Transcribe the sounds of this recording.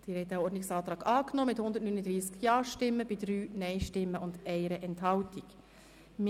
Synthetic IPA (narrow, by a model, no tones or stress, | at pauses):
d̪̥iɾɛtæɔɾdnɪksɑːt̪ɾɑːɡɑːknoːmɪthʊnd̪ətnyːnəd̪ɾiːskjɑːʃtɪmːəb̥idɾyːnɛɪʃtɪmːəʊndʔɛɪɾəʔɛnthɑltiɡ | m